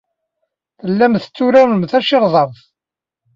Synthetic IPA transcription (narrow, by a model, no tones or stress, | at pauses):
θəlːæmθə̥t͡sːuɾæmmθæʃɪɾðˤɑɾˤθ